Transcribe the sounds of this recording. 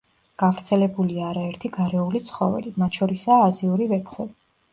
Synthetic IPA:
ɡ̥avɾt̪sʰɛlɛbuliaːɾaɛɾt̪ʰiɡaɾɛulit̪sʰχɔvɛ̰limat̪ʰʃɔɾisaːziuɾivɛpʰχwɛbi

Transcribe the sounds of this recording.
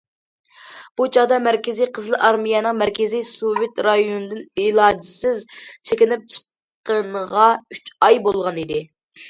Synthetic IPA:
b̥ut͡ʃʰɑd̪ɑmæɾkʲɪzijqʰəzlˠɨʔɑɾmijɛnɨŋmæɾkʲɪzijsovet̪ɾɑjonɨd̪ɪnɪlˠɑːd͡ʒɪsɪzt͡ʃʰekʲɪnɪp̚t͡ʃʰə̥qː | ənʁɑyt͡ʃɑjbolˠʁɑnid̪ɪ

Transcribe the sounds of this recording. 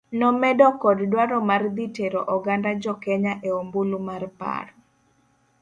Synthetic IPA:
nɔmɛdɔkɔddwaɾɔmard̪iteɾɔʔɔɡandad͡ʒɔkɛɲaʔeombulumarpa̰ɾ

